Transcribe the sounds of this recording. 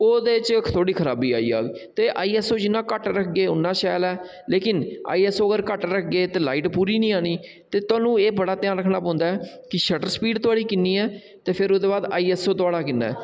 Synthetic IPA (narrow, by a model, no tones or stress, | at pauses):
oːd̪eːt͡ʃt̪ʰoːɽiːkʰəɾaːbiːa̰ːḭːa̰ːɡt̪eːʔaːiːɛːsoːd͡ʒɪnːãːkəʈɾəkʰɡeːʊnːãːʃɛːlɛː | leːkɪna̰ːiːɛːsoːəɡəɾkəʈɾəkʰɡeːt̪eːlaːiːʈpuːɾiːnĩːaːɽ̃iː | t̪eːt̪ʊaːnũːeːbəɽaːt̪ɪjãːɾəkʰnãːpãːʊ̃nd̪aːɛː | kɪʃəʈəɾspiːɖt̪ʊaːɽiːkɪnːiːɛː | t̪eːpʰɪɾoːd̪eːbaːd̪a̰ːiːɛːsoːt̪oaːɽaːkɪnːa̰ːɛ̰ː